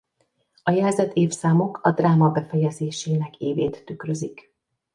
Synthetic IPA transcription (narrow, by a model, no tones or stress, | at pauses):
ɒjɛlzɛt̪ʰeːfsaːmo̞kʰɒd̪raːmɒbɛfɛjɛzeːʃeːnɛkeːveːt̪ːykrø̞zik